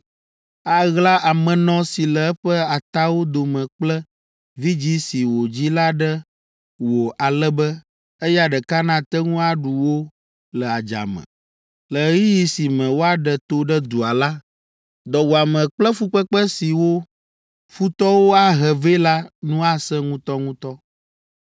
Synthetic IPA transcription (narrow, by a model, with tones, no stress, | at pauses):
a˨ɣla˦ʔa˨mɛ̃˨nɔ̃˦si˨lɛ˨ɛ˦ɸɛ˦a˨t̪a˦wo˦d̪o˨mɛ̃˨k͡plɛ˦ | vi˦d͡ʑi˦si˨wo˨d͡ʑi˦la˦ɖɛ˦ | wo˨ʔa˨lɛ˦bɛ˦ | e˦ja˨ɖɛ˨ka˦nã˦t̪ɛ˦ŋũ˦a˨ɖu˨wo˦ | lɛ˨a˨d͡ʒa̰˨mɛ̰̃˨ | lə˨˦ji˦ji˦si˨mɛ̃˨wo˦a˨ɖɛ˨t̪o˦ɖɛ˦d̪u˨a˨la˦ | d̪ɔ˨wo˨a˨mɛ̃˨k͡plɛ˦fu˦k͡pɛ˦k͡pɛ˦si˨wo˦ | fu˦t̪ɔ˦wo˦a˦ɦɛ˨ve˦la˦nũ˦a˦sɛ̃˦ŋũ˦t̪ɔ˦ŋũ˦t̪ɔ˦